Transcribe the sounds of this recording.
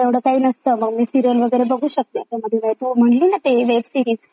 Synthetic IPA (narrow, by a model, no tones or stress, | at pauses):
aʋɽ̤əːkaɦiːnəst̪əməɡmiːsiɾjəlʋəɡəjɾebəɡʱuːɕək̚t̪et̪aməd̪ʱːekajt̪um̤əɳliːnat̪eʋebsiɾiːz